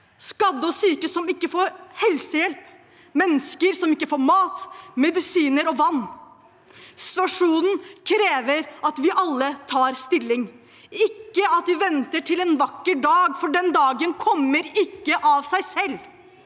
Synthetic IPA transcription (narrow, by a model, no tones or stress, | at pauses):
skɑd̪ːəɔsyːkəsɔmɪkːəfoːɾhɛlsəjɛlp | mɛnːəskəɾsɔmɪkːəfoːɾmɑːt̪mɛd̪ɪsiːnəɾɔʋɑnː | sɪ̥t̪ʉɑʂuːnn̩kʰɾeːʋəɾɑt̪ʋɪʔɑlːət̪ʰɑːɾst̪ɪlːɪŋ | ɪkːəɑt̪ʋɪʋɛnt̪əʈʰɪlɛːnʋɑkːəɖɑːɡfɔɖɛnd̪ɑːɡənkʰɔmːəɾɪkːəʔɑʋsæɪsɛlː